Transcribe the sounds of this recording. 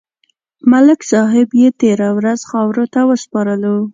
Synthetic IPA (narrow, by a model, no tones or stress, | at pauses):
malɪksɑɦɪbjet̪eɾawɾazxɑwɾot̪awəspɑɾəlo